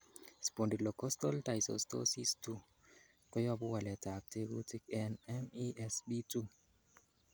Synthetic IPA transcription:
spɔ˨ndi˨dlɔ˨kɔ˦stɔ˦lta˨jsɔ̰stɔ̰si˦stu˦ | kɔ˦jɔ˦bu˦wa˨lɛ˨ta˨k̚te˦ɡu˦ti˦kɛnɛmiʔɛsbi˦tu˦

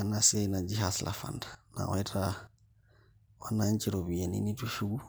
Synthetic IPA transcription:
anasi˦a˦i˦na˨d͡ʒi˦ɦaslʔa̰˨fa̰˨ndḁna̰˨wai˦tʰa | wa˦naɲt͡ʃiɾɔ˨βi˨ɛ˨nḭ˦ni˦tu˦ʃu˦ɡu˦

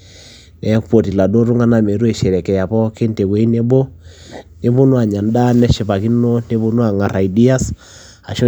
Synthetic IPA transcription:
nɛ˨˦po˨ti˨la˨do˦ɾu˦ŋa˦na˦mɛ˨ɾu˦ɛ˦˨ʃɛ˨ɾɛ˨kɛ˨ja˨pɔ˦ke˦nte˨we˨˦i˦ne˦bo˦ | ne˦bo˦nwa˨ɲa˨nda˦nɛ˦ʃe˨pa˨ki˦no˦nte˦bo˦nwa˨ŋa˨ɾa˨i˨di˦a˦s | a˨ʃɔ˦

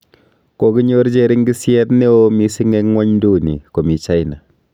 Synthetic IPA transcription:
ko˨ki˦ɲo˦ɾt͡ʃe˦ɾi˦ŋɡi˦sjɛ˦tne˦o˦mi˦si˦ŋɛ˦kŋɔ˦ɲndu˦˨nḭ˨ko˨mi˨t͡ʃa˦jna˨

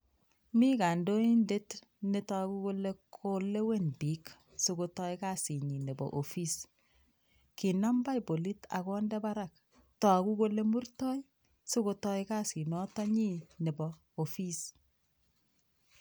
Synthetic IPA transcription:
mi˦ka˨ndo˦i˦nde˦t | ne˦tɔ˦a˨ku˦ko˦le˦kʰo˦le˦we˦nbi˨˦k | so˦ko˦tɔ˦jka˦si˨ɲi˨ne˨bɔ̰˨ʔo˨fi˦s | ki˨na˦mba˦jbo˨li˦ta̰˨kɔ˦ndɛ˦ba˦ɾa˨k̚ | tɔ˨a˨ku˦ko˦le˦mu˦rtɔ˦j | so˦ko˧tɔ˦jka˦si˨nɔ˦ta˦ɲi˦ne˨bɔ˨ | o˨fi˦s

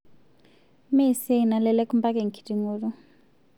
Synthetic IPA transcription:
me˦˨se˦˨na˨lɛ˦lɛ˦ku˦mba˦k̬ɛ˨ŋ̩˨kʰi̥˨ti˨ŋoː˦lu˦

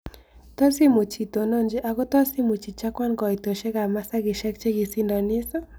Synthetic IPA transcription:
tɔ˦si˦mo˨t͡ʃi˨to˨no˦nd͡ʒɪ˦ʔa˨ɡɔ˦tɔ˦si˦mu˨t͡ʃi˨t͡ʃa˦kwa˦nkɔ˨i˨to˨ʃe˦ɡa˨ma˦sa˦ɡɪ˨ʃɛ˦k̚t͡ʃe˦ɡɪ˨si˦ndɔ˨nɪ˦sɔ˦

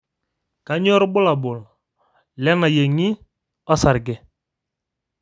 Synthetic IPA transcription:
ka˨˦ɲɔ˦ɾbʊ˦la˨bʊ˨l | lɛ˦na˨je˨ŋi˦ | ɔ˦sa˨ɾɡɛ˨

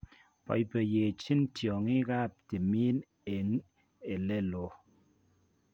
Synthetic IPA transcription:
pɔ̰˨jpɛ˨je˨t͡ʃi˦ntjɔ˨ŋi˦ɣa˦˨p̚ti˨mi˦n | e˨ŋ | e˨lɛ˦˨lo˨

